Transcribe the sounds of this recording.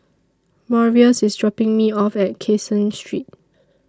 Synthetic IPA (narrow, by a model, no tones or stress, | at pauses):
mɔɹiəsisdɹɔpɪ̃ŋmiɔfɛt̚kʰesə̃nstʰɹit̚